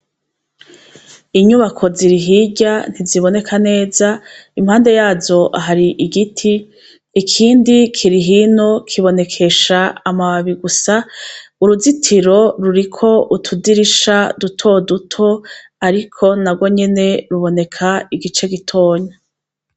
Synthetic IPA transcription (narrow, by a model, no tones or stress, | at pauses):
iɲuβakʰo̞ziɾiɦiɟan̥iziβo̞ne̞kʰane̞ːzaimhaːnde̞jaːzo̞ʔa̰ɦaɾiʔiɡitʰiː | kʰiːndikʰiɾiɦiːno̞kʰiβo̞ne̞kʰe̞ʃaːmaβaβiɡusauɾuzitʰiɾo̞ɾuɾikʰo̞ʔutʰudiɾiʃadutʰo̞dutʰo̞ | aɾikʰo̞naɡwo̞ɲe̞ne̞ɾuβo̞ne̞kʰaiɡit͡ʃe̞ɡitʰo̞ːɲa